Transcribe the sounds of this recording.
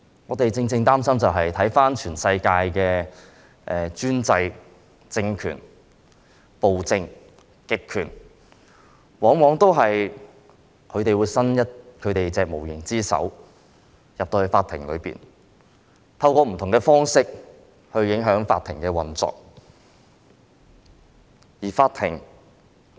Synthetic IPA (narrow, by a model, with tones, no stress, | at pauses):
ŋɔː˨˧˥t̪e˨jt͡sɪ˧ŋt͡sɪ˧ŋt̪aː˥msɐ˥mt͡sɐ˨wɦɐ˨jt̪ʰɐ˨˥jfaː˥nt͡ʃʰyː˨˩nsɐ˧jkaː˧jkɛː˧ | ʔɛː˨t͡ʃyː˥nt͡sɐ˧j | t͡sɪ˧ŋkʰy̰ː˨˩n | po˨wt͡sɪ˧ŋ | kɪ˥kʰːyː˨˩n | wɔː˨˥ŋwɔː˨˥ŋt̪o˥wɦɐ˨j | kʰɵ˨˧ɥt̪e˨jwuː˨˧jsɐ˥njɐ˥t̚kʰɵ˨˧t̪e˨jt͡sɛː˨k̚mo˨˩wjɪ˨˩ŋt͡siː˥sɐ̰˨˥w | jɐ˨p̚t̪oː˧hfaː˧t̪ʰɪ˨˩ŋlɵ̰˨˧ɥpḭː˨˩n | t̪ʰɐ˧wkɔː˧m̩˨˩t̪ʰʊ˨˩ŋkɛː˧fɔː˥ŋsɪ˥k̚ | hɵ˧ɥjɪ˨˥ŋɦœː˨˥ŋfa̰ː˧t̪ʰɪ˨˩ŋkɛː˧wɐ˨nt͡sɔ̰ː˨k̚ | jiː˨˩faː˧t̪ʰɪ̰˨˩ŋ